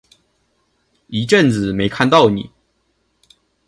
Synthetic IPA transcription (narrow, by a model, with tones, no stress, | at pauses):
i˧˥ʈ͡ʂə˥˨nt͡sɹ̩˨˩me˨˧˥ɪkʰa˥˧nt̪ɑ˥˨ʊnḭ˨˩˦